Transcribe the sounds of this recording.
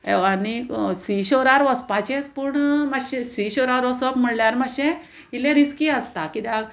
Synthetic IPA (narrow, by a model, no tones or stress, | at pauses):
eanisiɕoɾaɾʋəspat͡ɕẽt͡spuɳmaɕẽsiɕoɾaɾɔsəbm̤əɽljaɾmaɕẽ | ilẽɾiskiəst̪akit̪eaɡ